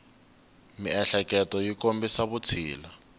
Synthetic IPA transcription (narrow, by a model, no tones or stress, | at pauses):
miɛɬɛkɛtɔjikombisaβut͡sʰiːla